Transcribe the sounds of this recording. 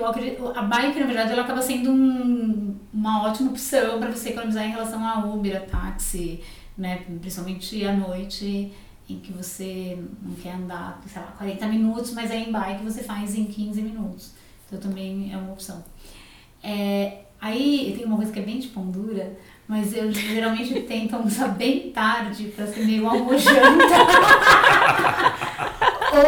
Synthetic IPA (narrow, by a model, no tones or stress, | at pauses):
ewakɾiʔʔɐbajkɪnɐveɾd̪ad͡ʒɪɛlɐakabɐsẽnd̪ʊũ | ũmɐɔt͡ʃimɐopi̥sɐ̃w̃pɾɐvoseekolonizaɾẽɦelasɐ̃w̃aomeɾɐpʰa̰t͡ʃsɪ | nɛpɾĩsipaw̃mẽnt͡ʃɪanojt͡ʃɪ | ẽj̃kɪvosenɐ̃w̃kɛɾɐ̃nd̪a̰sejla̰kwaɾẽnt̪ɐminut̪ʊ̥smɐzɛẽj̃bajkɪvosefajzẽj̃kʰĩzɪminut̪ʊ̥s | t̪ɐ̃w̃t̪ɐ̃mbẽj̃ɛ̰ũmɐopsɐ̃w̃ | ɛ | aiewt̪ẽj̃ũmɐkojzɐkɪɛbẽj̃d͡ʒɪpõnd̪uɾɐ | mɐzewʒeɾawmẽt͡ʃɪt̪ẽj̃t̪õmsabẽj̃t̪aɾd͡ʒɪpɾɐsemejũɐmoʒɐ̃nt̪ɐ | o